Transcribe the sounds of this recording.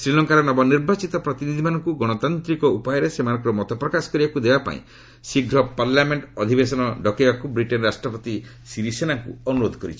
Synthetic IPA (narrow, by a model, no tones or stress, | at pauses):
sɾilɔŋkaɾɔnɔbɔniɾbat͡ʃit̪ɔpɾɔt̪inid̪ʱimanɔŋkuɡɔɽ̃ɔt̪ant̪ɾikɔupajɔɾesemanɔ̃ŋkɔɾɔmɔt̪ɔpɾɔkasɔ̥kɔɾibakud̪ebapa̰ḭ̃ | siɡʱɾɔpaɾlameɳʈɔd̪ʱibesɔnɔɖɔkebakubɾiʈenɾasʈɾɔpɔt̪i | siɾisenaŋkṵɔnuɾod̪ʱɔkɔɾit͡ʃʰi̥